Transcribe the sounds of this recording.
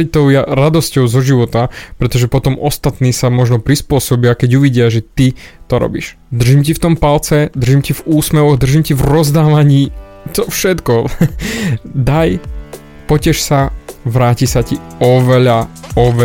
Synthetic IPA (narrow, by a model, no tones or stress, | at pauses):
ic̚t̪ɔʊjaɾad̪ɔscɔʊzɔʒiʋɔt̪apɾɛt̪ɔʒɛpɔt̪ɔmɔst̪at̪niːsamɔʒnɔpɾispʊɔsɔbiakɛɟuʋiɟɪaʒɛt̪it̪ɔɾɔ̰bḭʃ | d̪r̩ʒimcift̪ɔmpalt͡sɛd̪rʒimcivuːsmɛʋɔɣd̪r̩ʒimcivɾɔzd̪aːʋaɲiː | t̪ɔfʃɛt̪kɔ | d̪aj | pɔcɛʃsaʋɾaːcisaci | ɔʋɛʎaɔʋɛ